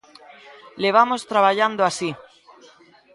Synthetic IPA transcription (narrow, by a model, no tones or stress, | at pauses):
leβ̞amost̪ɾaβaʎand̪oasi